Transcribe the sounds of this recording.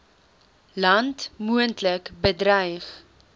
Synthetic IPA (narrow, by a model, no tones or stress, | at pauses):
lɐntmuəntləkbədrɛjχ